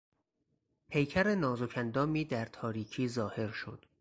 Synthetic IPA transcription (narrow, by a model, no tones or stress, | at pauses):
pʰe̞jcʰæɾe̞nɒːzocʰænd̪ɒːmiːd̪æɾt̪ʰɒːɾiːcʰiːzɒːhe̞ɾʃo̰d̪̥